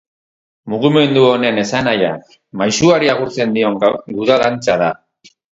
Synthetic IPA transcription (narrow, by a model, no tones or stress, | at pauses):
muɣime̞nd̪uo̞ne̞ne̞sanaja | majsuaɾiaɣuɾt͡se̞nd̪io̞ŋɡuðaðant͡saða